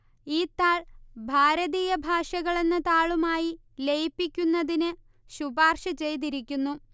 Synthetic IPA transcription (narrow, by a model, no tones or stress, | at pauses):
iːt̪ːaːɭbʱaːɾɐðiːjɐbʱaːʂɐɣɐɭe̞nːɨt̪aːɭumaːji | le̞jpːikʲːunːɐðinɨ | ɕubaːrʂɐt͡ɕe̞jd̪iɾik̬ʲːunːu